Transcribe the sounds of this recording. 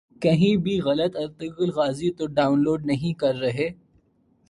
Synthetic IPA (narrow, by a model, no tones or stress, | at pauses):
kɐɦĩbʱiɣɐlət̪ɐɾt̪ɪkəlɣaːzit̪oɖaːʊnloːɖnɐɦĩkɐɾːɐɦeː